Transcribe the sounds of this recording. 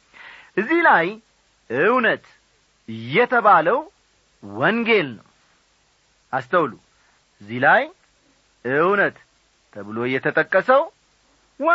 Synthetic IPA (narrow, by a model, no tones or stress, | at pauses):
ʔɨzːihlaj | ʔɨwnət̪ | ɨjːɛt̪ʰəβaləw | wɔŋɡe̞lnəw | ʔast̪ʰəwlu | ʔɨzːihlaj | ɨwnət̪ʰː | əβɨlo̞jːɛt̪ʰət̪ʼəkʼːəsəw | w